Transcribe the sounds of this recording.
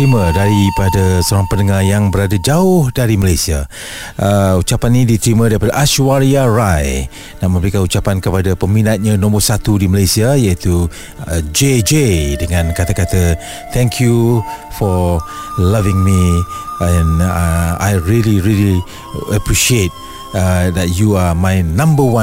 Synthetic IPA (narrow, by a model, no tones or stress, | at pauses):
ɾimə̃daɾipadasəoɾaŋpənəŋarjaŋbəɾadad͡ʒaʊhdaɾiməlajsia | əut͡ʃapanːĩdit̪ɾimə̃daɾipadaʔaʃuaɾiaɹaj | naʔmə̃mbəɾikanut͡ʃapankəpadapəminat̪̚ɲãnɔ̃mərsat̪udiməlajsiajait̪u | d͡ʒed͡ʒedəŋãnkat̪akat̪ə | t̪ʰɛ̃ŋkʰjufɔ | lavɪ̃ŋmiɛ̃n | ajɹiliɹili | əpɹiʃiet̪̚ | ədɛt̚juamajnãmbəwã